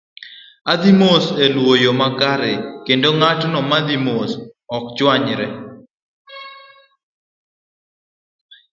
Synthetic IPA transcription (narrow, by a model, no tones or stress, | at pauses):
ad̪imoselwojomakaɾɪkendoŋatnɔmad̪imosɔkd͡ʒwaɲɾɛ